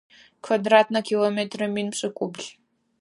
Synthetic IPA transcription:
kʰvadrat̚ʰnɐkʲʰilˠometʰrɐminpɕʼɨkʷʼubɮ

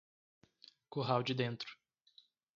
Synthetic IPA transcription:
koɦawd͡ʒɪd̪ẽnt̪ɾʊ̥

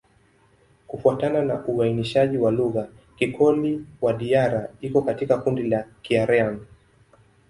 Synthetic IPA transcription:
kufuatananaʔuwainiʃaʄiwaluɣa | kikʰɔliwaɗiaɾaikɔkatikakundilakiaɾɛan

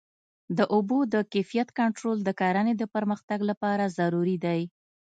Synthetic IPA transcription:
d̪əʔʊbod̪əkafijat̪kaɳʈɾold̪əkɑɾaned̪əpəɾməxt̪aɡlapɑɾazaɾuɾid̪aj

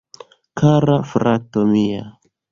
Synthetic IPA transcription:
kʰaɾafɾatomia

